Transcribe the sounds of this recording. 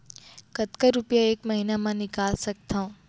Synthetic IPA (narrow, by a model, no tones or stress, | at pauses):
kɐt̪kəɾupijaeːkmɐɦiːnamãnɪkaːlsɐk̚t̪aõː